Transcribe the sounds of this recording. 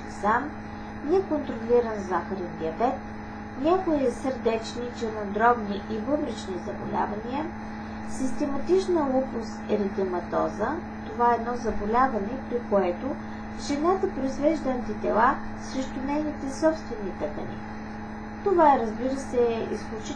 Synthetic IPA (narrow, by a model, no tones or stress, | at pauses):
sam | nɛkont̪ɾolʲiɾənzaxəɾɛnd̪iɐbɛt̪̚ | nʲakojɛsəɾd̪ɛt͡ʃnit͡ʃɛnɐd̪ɾɔbniʔivɤvɾit͡ʃnizɐbo̰lʲa̰vɐniə | sist̪ɛmɐt̪it͡ʃnəupʊst̪ɛɾid̪əmɐt̪ɔ̰zə | t̪ovaɛːd̪nɔzɐbolʲavɐnɛpɾikoɛt̪o | ʒɛnat̪əpɾoizvɛʒd̪əɐnt̪it̪ɛlˠa | sɾɛʃt̪ʊnɛjnit̪ɛsɔpst̪vɛnːit̪əkə̰nḭ | t̪ovaɛɾəzbiɾəsɛḭsklʲut͡ʃi